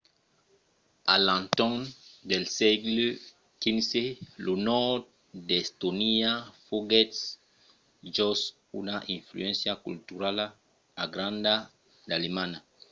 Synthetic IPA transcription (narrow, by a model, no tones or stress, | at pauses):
alãnt̪ɔnd̪elsɛɡle | kinselonɔt̪̚ | d̪est̪oniafoɡɛt̪s | d͡ʒɔs | unaʔĩɱflṵɛ̃nsjakṵlt̪uɾala | aɡɾãnd̪a | d̪alemãna